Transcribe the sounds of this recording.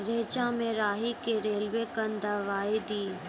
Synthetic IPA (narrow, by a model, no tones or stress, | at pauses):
ɾeːt͡ʃãmẽɾaːɦikeɾeːlʋekənd̪aʋaːid̪iː